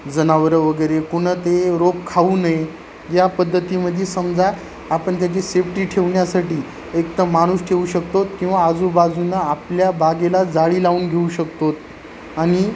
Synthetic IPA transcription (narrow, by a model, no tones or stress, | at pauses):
d͡zənaʋəɾəʋəɡəjɾekuɽ̃ət̪eɾopkʰaʋuːnaje | japəd̪ʱːət̪iməd̪ʱːesəmd͡zat̪ | apəɳt̪̬jat͡ɕisefʈiːʈʰeʋɳjasaʈiː | ekt̪əmaɽ̃uːsʈʰeuɕəkt̪ot̪kĩw̃ʋaːd͡zubad͡zunaːpljabaɡelad͡zaɭiːlauːnɡʱeuɕək̚t̪ot̪ | aɽ̃i